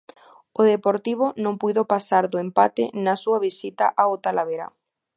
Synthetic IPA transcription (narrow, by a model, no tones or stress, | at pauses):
ʊðepoɾt̪iβ̞ʊnõŋpujðopasaɾðʊempat̪ɪ̰nasuɐβisit̪a̰ʔaot̪alaβeɾa̰